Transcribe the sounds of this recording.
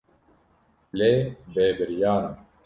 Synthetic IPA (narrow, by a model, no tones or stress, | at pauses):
leːbeːbɐɾijaːnɐ